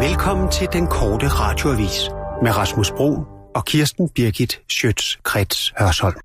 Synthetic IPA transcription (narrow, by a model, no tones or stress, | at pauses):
ʋelkʰɒ̽m̰n̩t͡sʰe̝ld̥enkʰɒːd̥əʁɑ̈ːd̥jo̝æʋḭːsmeʁɑ̈smosb̥ʁo̝̰ːnɒ̽kʰiɐsd̥n̩b̥iɐɡ̥id̥ˠsød̥skʰʁɛd̥shɶɐsɒ̽l̰